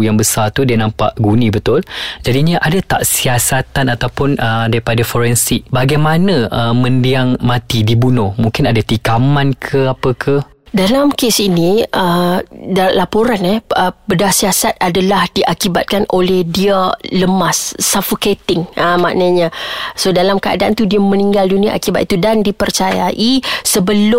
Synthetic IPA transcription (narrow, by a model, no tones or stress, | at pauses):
jaŋbəsat̪udianãmpa̰ʔɡunĩbət̪ʊld͡ʒadiɲaʔadat̪a̰ʔsiasat̪anat̪awpʊnədaɾipadafɔɾɛnsiʔ̚baɡajmanə̃əmə̃ndiaŋmãt̪idibunɔhmũŋkɪnadat̪ikamãnkʰəapəkʰə | dalamkesiniədalapoɾanɛəbədahsiasat̪̚adalahdiʔakiba̰t̪̚kanʔo̰lɛhdiələmasːafoket̪ɪŋəma̰ʔnəɲãsodalamkəa̰daʔant̪udiəmə̃niŋɡaldunia̰ʔa̰kibat̪̚it̪udandipərt͡ʃaja̰ʔisəbəlʊ